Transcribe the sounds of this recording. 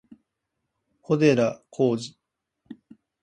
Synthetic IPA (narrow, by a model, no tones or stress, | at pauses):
kʰo̞d̪e̞ɾakʰoːʑi